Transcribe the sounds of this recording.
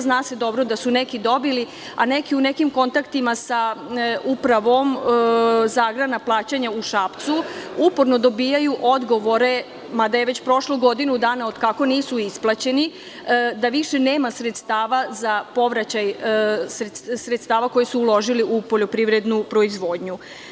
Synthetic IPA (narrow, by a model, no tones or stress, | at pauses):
znaːse̞d̪o̞bɾo̞d̪asunekid̪o̞bili | anekiune̞kimko̞nt̪akt̪imasaupɾaʋo̞m | zaːɡɾanaplˠaːt͡ɕaɲauʃapt̪suupo̞ɾno̞d̪o̞biːjajuʔo̞d̪ɡo̞ʋo̞ɾe̞ | mad̪ajeʋe̞t͡ɕpɾo̞ʃloɡo̞d̪inud̪aːnao̞d̪kako̞niːsuisplˠat͡ɕe̞ni | d̪aʋiʃe̞ne̞ːmasɾet̪st̪aːʋazapo̞ʋɾat͡ɕajsɾesɾet̪st̪aːʋako̞jesuːlˠo̞ʒiliʔupoʎo̞pɾiʋɾed̪nupɾo̞izʋo̞ːd̪ɲu